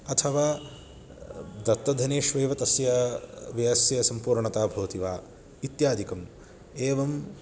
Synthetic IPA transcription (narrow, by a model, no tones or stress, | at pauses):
ɐt̪ʰɐʋaː | d̪ɐt̪ːɐd̪ʱɐneːʃʋeːʋɐt̪ɐsjɐʋjɐɐsjɐsɐmpuːɾɳɐt̪aːbʱɐʋɐt̪iʋaː | it̪jaːd̪ikɐm | eːʋɐm